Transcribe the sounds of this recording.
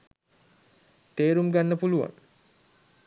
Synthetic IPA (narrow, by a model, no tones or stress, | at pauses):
t̪eːɾumɡanːəpuluʋa̰n